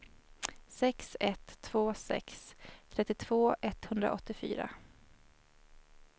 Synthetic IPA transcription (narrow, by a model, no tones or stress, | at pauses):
sɛksɛt̪ʰːv̥oːsɛ̰kst̪ʰɾɛt̪ːɪt̪ʰv̥oːʔɛt̪hɵnd̪ɾa̰ʔɔt̪ːɪfy̰ːɾa̰